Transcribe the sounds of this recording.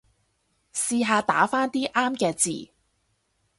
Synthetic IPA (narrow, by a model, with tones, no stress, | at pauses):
siː˧ɦaː˨˧t̪a̰ː˨˥faː˥nt̪iː˥ʔaː˥mkɛː˧t͡sḭː˨˩